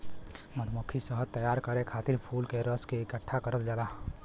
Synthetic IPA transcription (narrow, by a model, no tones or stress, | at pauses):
mət̪mokʰisəɦət̪ːəjaːɾkəɾekʰaːt̪ɪɾpʰuːlkeɾəskeɪkəʈʰːakəɾət̪d͡ʒalaː